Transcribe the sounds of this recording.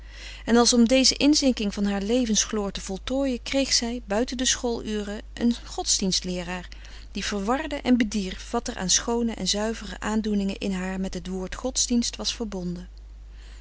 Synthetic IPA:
ɛnɑlˠsɔmdejzəʔɪnzɪŋkɪŋvɑnɦaːɹlejvənsχloːɹtəv̥ɔlˠtoːjəkrejχsɛjbœɥtəndəsχolˠyːrəʔə̰nχɔtzdinstlɪːraːɹ | d̥iv̥əɹʋɑɹdəʔɛnbədiɹfʋɑtɛɹʔa̰ːnsχownəʔɛ̰nzœɥvərə̰ʔaːndunɪŋə̰ʔɪnɦaːɹmɛtɦətʋoːɹtχɔtzdinstʋɑsfəɹbɔndə

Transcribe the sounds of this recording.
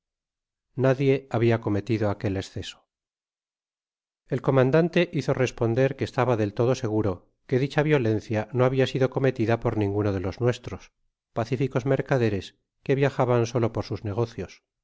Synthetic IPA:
naðje̞aβiako̞me̞t̪iðoake̞lesθe̞so̥ | e̞lko̞mãnd̪ant̪e̞ʔiθo̞re̞spo̞nd̪e̞ɾke̞ːst̪aβaðe̞lt̪oð̞o̞se̞ɣ̞uɾo̞ | ke̞ðit͡ʃaβjo̞le̞n̟θjano̞aβiasiðo̞ko̞me̞t̪iðapo̞ɾnĩŋɡuno̞ð̞e̞loznwe̞st̪ɾo̞s | paθifiko̞zme̞ɾkaðe̞ɾe̞s | ke̞βjaxaβansolo̞poɾsuzne̞ɣ̞o̞θjo̞s

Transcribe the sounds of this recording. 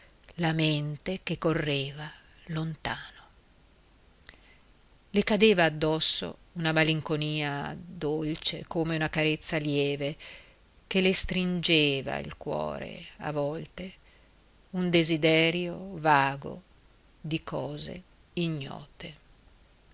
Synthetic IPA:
lament̪ekekːorːeːva | lont̪aːno | lekad̪eːvaːd̪ːɔsːo̰unamaliŋkoniːad̪olt͡ʃḛkoːmeunakaɾet̪sːaljɛːve | k̟elest̪ɾind͡ʒeːva̰ḭlkwɔ̰ːɾḛa̰vɔlt̪e | und̪ezid̪ɛɾjovaːɡo̰ | d̪ikʰɔːzḛ | iɲːɔ̰ːt̪e

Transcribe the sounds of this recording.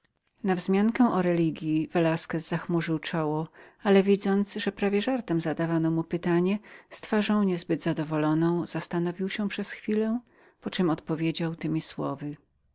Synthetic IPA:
navzmʲjaŋkɛ̃ʔɔɾɛlʲiɡʲjivɛlaskɛzzaxmuʐɘwt͡ʂɔwɔalɛvʲid̪zɔnt̪sʐɛpɾavʲjɛʐaɾt̪ɛmzad̪avanɔmupɘt̪aɲɛst̪faʐɔ̃w̃ɲɛzbɘd̪zad̪ɔvɔlɔnɔ̃w̃z̥ast̪anɔvʲiwɕɛpʂɛsxfʲilɛ | pɔt͡ʂɛmɔt̪pɔvʲjed͡ʑawt̪ɘmʲiswɔ̰vɘ

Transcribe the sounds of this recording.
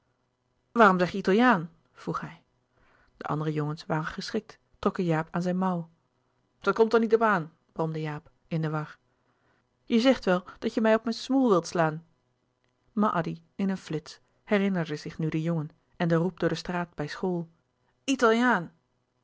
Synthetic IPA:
ʋaːrɔmzɛχjəitɑlˠjaːn | v̥ruχhɛj | d̥əʔɑ̰ndərəjoŋənsʋaːrənχəsχɪk̚tːrɔkəjaːpʰaːnzɛjnmɑw | d̥ɑtkɔmtəɹnitɔpaːn | b̥rɔmdəjaːp | ɪndəʋɑχ | jəzɛχtʋɛlˠd̥ɑtjəmɛjɔpmɛnsmulˠʋɪlˠtslaːn | maʔɑdi | ɪnənflɪts | hɛrɪnəɹdəzɪχnydəjoŋən | ɛndərup̚dʊːɹdəstraːd̚bɛjsχoːlˠ | italˠjaːn

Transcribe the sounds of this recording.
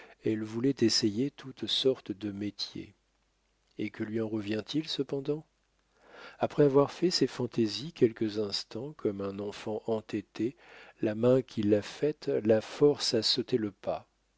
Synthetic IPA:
ɛlvulɛt̪esejet̪ʰut̪sɔʁt̪d̪əmet̪jḛ | ekəlɥiɑ̃ʁəvjɛ̃t̪ilsəpɑ̃d̪ɑ̃ | apχɛavwaʁfɛsefɑ̃t̪ezikʲɛlkəzɛ̃st̪ɑ̃kʰɔmɛ̃nɑ̃fɑ̃ʔɑ̃t̪ɛt̪e | lamɛ̃kʲʰilːafɛt̪lafɔʁsasot̪eləpa

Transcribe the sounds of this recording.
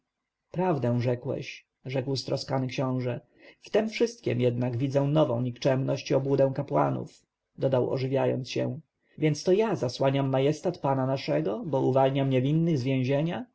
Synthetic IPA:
pɾavd̪ɛ̃w̃ʐɛkwɛ̰ɕ | ʐɛkwst̪ɾɔskanɘkɕɔ̃w̃ʐɛ | ft̪ɛmfʂɘst̪̚kʲɛ̰mjɛd̪naɡvʲid̪zɛw̃nɔvɔ̰̃w̃ɲikt͡ʂɛmnɔɕt͡ɕɔbwud̪ɛ̃w̃kapwa̰nṵf | d̪ɔd̪awɔ̰ʐɘvʲjajɔ̰nt̪sɕɛ̰̃ | vʲjɛnt̪st̪ɔjazaswaɲamːajɛst̪at̪pananaʂɛɡɔbɔuvalɲamɲɛvʲinːɘɣzvʲjɛ̃w̃ʑeɲa

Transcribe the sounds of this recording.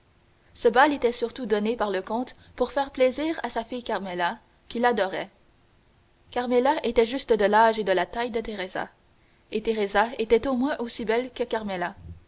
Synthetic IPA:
səbalet̪ɛsyʁt̪ud̪ɔnepaʁləkɔ̃t̪ | puʁfɛːʁpleziːʁa̰safijkʲaʁmela | kʲilad̪ɔʁɛ | kʲaʁmelaʔet̪ɛʒyst̪əd̪əlaʒed̪əlat̪ajd̪ət̪eʁeza̰ | et̪eʁezaet̪ɛt̪omwɛ̃ʔosibɛlkəkʲaʁmela

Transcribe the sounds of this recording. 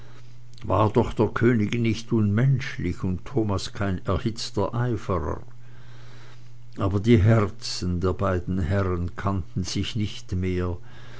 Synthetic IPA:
va̰ːɐdɔχd̥eːɐkʰøːnɪɡənɪçtʊnmɛnʃlɪçʊnttʰːoːmaskʰaɪnɛɐhɪt͡stɐʔaɪfəʁə̰ | ʔaːbɐdiːɦɛʁt͡sən̩deːɐbaɪdn̩hɛʁənkʰantn̩z̥ɪçnɪçtmeːɐ

